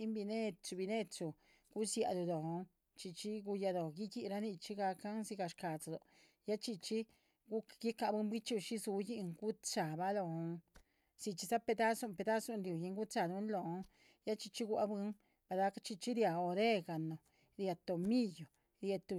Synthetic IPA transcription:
i˦mbi˧ne˦t͡ʃu˧˨bi˧ne˦t͡ʃu˨ | ɡ̥u˦sja̰˧d̪o˧˨d̪o˨˧ŋ | t͡ʃi˧t͡ʃi˦ɡu˧ja˧d̪o˨ɡi˦ɡi˧ɾa˧˦ni˧t͡ʃi˦ɡa˧ka˦nsi˧ɡa˧ʂka˨t͡sa˧˨d̪o˨ | ja˦t͡ʃi˧t͡ʃi˦ | ɡu˦ɡi˦ka˧bɨ˧˦mbi˦t͡ʃu˧ʃi˦zu˧ji˧ŋɡu˦t͡sa˨ba˧lo˧ŋ | si˧t͡ʃi˧sa˦pe˧d̪a˦su˧˨mpe˧d̪a˦su˧nɾju˨ji˧ŋɡu˦t͡sa˧˨d̪u˧˦nlo˨˧˦ŋ | ja˦t͡ʃi˧t͡ʃi˦ɡu˧a˧bɨ˧ŋ | b̥a˧d̪a˧˦ka˦t͡ʃi˧t͡ʃi˦ɾja˨o˧ɾe˦ɡa˨no˨ | ɾja˧t̪o˨mi˦jo˨ | ɾja˧t̪u˧

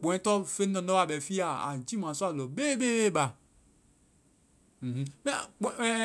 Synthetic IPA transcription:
k͡põ˨ɛ̃˨˦t̪ɔ˦fe˦nɔ̃˨ndɔ˦wa˨bɛ˨fi˦a˦˨a̰˨d͡ʒi˦mã˨su˦a˦lɔ˨be˦be˦be˦˨ba˨ | h̩˦mɛ˦k͡pɛ˦

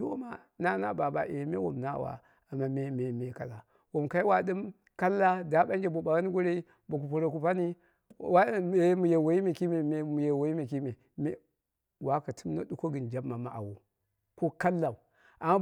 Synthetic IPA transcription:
do˦o˦ma˦ | na˦na̰˦ba˨ba̰˨ʔe˨˦mḛ˦wo̰˨mna̰˦˨wa̰˨ | a˨ma˦me˦me˨me˦ka˨la˨ | wo˨mka˦i˦wa˦ɗɨ˦m | ka˦lːa˦da˨ɓa˦n˦d͡ʒe˨bo˨ba˨wa˦n˦ɡo˦ɾe˦ | bo˨k̬u˨p̬o˨ɾo˨ku˨pa˦ni˦ | wa˦e˨˦mu˨je˨wo˨i˦me˨ki˦me˨me˨mu˨je˨wo˨i˦me˨ki˦me˨ | me˦ | wa˦ka˨tʰu˦mna̰˦ɗu˦ko˦ɡɨ˨nd͡ʒa˦bma˨ma˨ʔa̰˨wo̰˨ | ko˦ka˦lːa˨ | ʔa˨ma˦

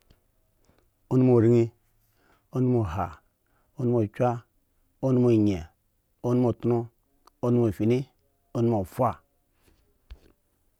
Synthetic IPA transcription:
o˦nu˦mo˨ɾi˦ŋi˦ | o˦nu˦mo˨ɦa˨ | o˦nu˦mo˨t͡ʃʷa˦ | o˦nu˦mo˨i˨ɲe˨ | o˦nu˦mo˨tu˦no˦ | o˦n˦mo˨fi˨ni˦ | o˦nu˦mo˨fʷa˦˨

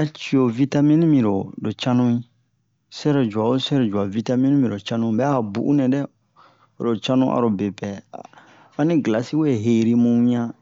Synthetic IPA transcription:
a˦t͡ʃi˨o˨vi˦ta˦mĩ˦nĩ˦mĩ˨ɾo˨do˨t͡ʃã˦nũ˦ĩ˦ | sɛ˦ɾo˨d͡ʒu˨a˨o˦sɛ˦ɾo˨d͡ʒu˨a˨vi˦ta˦mĩ˦nĩ˦mĩ˨ɾo˨t͡ʃã˦nũ˦bɛ˨˦a˨bṵ˨ʔṵ˦nɛ̃˨dɛ˦ | o˨ɾo˨t͡ʃã˦nũ˦ʔa̰˨ɾo˨be˨pɛ̰˨ | a˦nĩ˦ɡla˨si˦we˦˨ɦe˨ɾi˧mũ˦ɲã˦

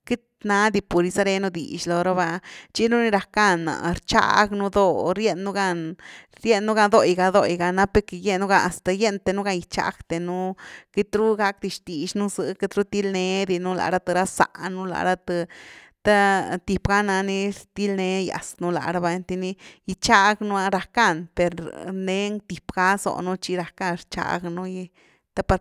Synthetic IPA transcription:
ki˦t̪na˧˦d̪i˧pu˨ɾi˧sa˦ɾe˧nu˦d̪ḭ˨ʃlo˧ɾa˦ba˧t͡ʃi˦nu˦ni˦ɾa˧ka˦na̰˨ɾt͡ʃa̰˦ɡnu˧d̪o˧ɾje˦nːu˦ɡa˧n | ɾje˦˧nːu˦ɡa˧nd̪o˧˨jɡa˧d̪o̰˧˨jɡa˧na˦pe˧˦ke˧je˦nːu˦ɡa˧a˨st̪a˨je˦nt̪e˧nu˦ɡa˧ni˧t͡ʃa̰˧˦kt̪e˨nu˦ke˧t̪ɾu˦ɡa˦kd̪i˧ʃt̪i˨ʃnu˦zɨ̰˧ke˧t̪ɾu˦t̪i˦lne˧d̪i˧nu˦la̰˨˧ɾa˦t̪ɨ˧ɾa˦sa̰˨nu˦la̰˨˧ɾa˦˧t̪ɨ˧ | t̪a˦t̪i˧pɡa˦na˧ni˦ɾt̪i˦lne˧˦ja̰˨snu˦la̰˧˨ɾa˧ba˧nt̪i˧ni˦ji˧t͡ʃa˦ɡnu˦a˧ɾa˧ka˦˧˨npe˨ɾne˦ŋt̪i˨pɡa˦zo̰˨nu˦t͡ʃi˦ɾa˧ka˦˧nɾt͡ʃa̰˧ɡnu˦je˧ | t̪a˦pa˧ɾ

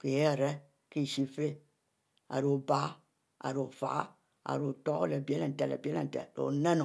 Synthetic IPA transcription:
ke˨je˦˨ɾɛ˦ | ki˦˨ʃi˦fe˦ | a̰˨ɾu˨ba˦ | a̰˨ɾo˨fa̰˨˦ | a̰˨ɾu˨to˦ɣo˦le˨bi˨e˦le˨tɛ˨lḛ˨be˦lḛ˨n̩˨tɛ̰˨lo̰˨ne˦no˨

